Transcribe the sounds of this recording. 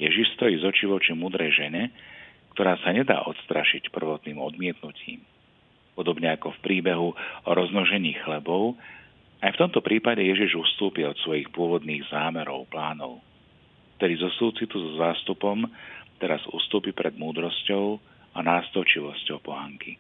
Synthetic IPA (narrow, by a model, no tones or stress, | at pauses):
jɛʒiʃst̪ɔjiːzɔt͡ʃiʋɔt͡ʃimuːd̪ɾɛjʒɛɲɛkt̪ɔɾaːsaɲɛd̪a̰ːʔɔt̪st̪ɾaʃicpr̩ʋɔt̪niːmɔd̪mɪɛt̪nucʰḭːm | pɔd̪ɔbɲɛakɔfpɾiːbɛɦuɔɾɔznɔʒɛɲiːxlɛbɔʊ | ajft̪ɔmt̪ɔpɾʔiːpaɟɛjɛʒiʒufst̪uːpiɔt̪sʋɔjixpʊɔʋɔd̪niːɣzaːmɛɾɔ̰ʊplaːnɔ̰ʊ | ft̪ɛd̪izɔsuːt͡sit̪uzɔzaːst̪upɔmt̪ɛɾazṵːst̪uːpipɾɛd̪muːd̪ɾɔscɔʊ | anaːst̪ɔʊt͡ʃiʋɔscɔʊpɔɦaŋki